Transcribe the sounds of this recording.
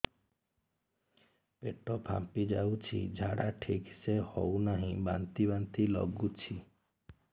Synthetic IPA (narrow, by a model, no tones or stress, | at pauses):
peʈopʰa̰mpid͡ʒaut͡ʃʰḭd͡ʒʱaɽaʈʰiksehɔunaɦĩbã̰nt̪ibant̪ilɔ̰ɡut͡ʃʰi